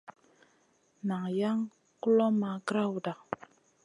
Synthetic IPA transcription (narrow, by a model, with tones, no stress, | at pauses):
na˨ŋja˦ŋ | ku˦lɔ˦ma˨ɡɾa˦wda˨